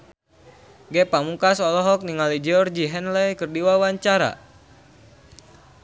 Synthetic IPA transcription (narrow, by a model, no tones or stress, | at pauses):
ɡɛpamukasɔlɔɦɔk̚niŋalid͡ʒɔrd͡ʒiɦɛnlɛjkərdiwawaɲt͡ʃaɾa̰